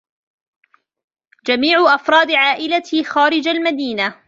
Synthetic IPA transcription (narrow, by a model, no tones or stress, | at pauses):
d͡ʒamiːʕʊʔɑfɾˤɑːd̪ʕaːʔɪlaxaːɾɪd͡ʒalmad̪iːna